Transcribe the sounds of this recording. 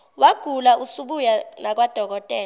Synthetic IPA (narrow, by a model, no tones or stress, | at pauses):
waɡ̥ʱulausuɓujalak̬wad̥ʱɔk̬ɔtʼɛː